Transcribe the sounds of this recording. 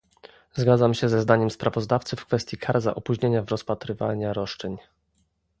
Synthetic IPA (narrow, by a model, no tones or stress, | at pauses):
zɡad̪zamɕɛzɛzd̪aɲɛmspɾavɔzd̪aft̪sɘfkfɛst̪ʲjikʰaɾza̰ʔɔpuʑɲeɲavɾɔspat̪ɾɘvaɲaɾɔʂt͡ʂɛɲ